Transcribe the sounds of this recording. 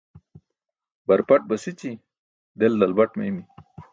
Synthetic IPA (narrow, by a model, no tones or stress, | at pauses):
bɐɾpɐʈ̚bɐsit͡ɕi | d̪eld̪ɐlbɐʈmḛimi